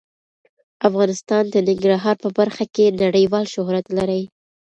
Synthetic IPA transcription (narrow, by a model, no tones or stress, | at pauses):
afɣɑnɪst̪ɑnd̪ənɪŋɡɾɑɦɑɾpəbaɾxakenaɽəjwɑlʃʊhɾat̪laɾəj